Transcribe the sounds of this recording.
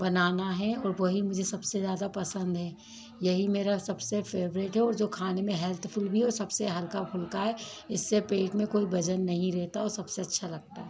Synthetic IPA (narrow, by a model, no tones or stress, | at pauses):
bɐnaːnaɦɛɔːɾʋoɦimʊd͡ʒʱesɐbsezjaːd̪apɐsə̃nd̪ɦɛː | jɐɦimeːɾasɐbsefeːʋɾeʈɦɛɔːɾd͡ʒoːkʰaːnemẽɦɛlt̪ʰpʰʊlbʱiɔːɾsɐbseɦɐlkabʱʊlkaɦɛɪsːepeːʈmẽkoːibɐd͡ʒənːɐɦĩɾɛɦt̪aɔːɾsɐbseɐtːʃʰalɐɡ̚t̪aɦɛ